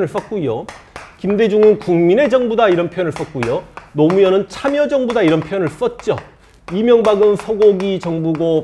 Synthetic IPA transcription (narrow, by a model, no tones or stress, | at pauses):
nɯɭs͈ʌt̚k͈uijokimde̞d͡ʑuŋɯnkuŋmine̞d͡ʑʌŋbudaiɾʌnpʰjoʌnɯɭs͈ʌt̚k͈uijonomujʌnɯnt͡ɕʰamjʌd͡ʑʌŋbudaiɾʌnpʰjojʌnɯɭs͈ʌt̚t͡ɕ͈o | imjʌŋbaɡɯnsʰʌɡoɡit͡ɕʌŋbuɡo